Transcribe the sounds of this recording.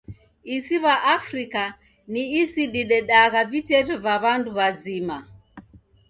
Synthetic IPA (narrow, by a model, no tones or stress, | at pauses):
isiβaʔafɾika | niːsiɗiɗɛɗaɣavitɛtɔvaβanduβazima